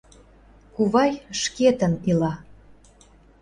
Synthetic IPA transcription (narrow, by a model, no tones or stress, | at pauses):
kuβɑjʃket̪ənilɑ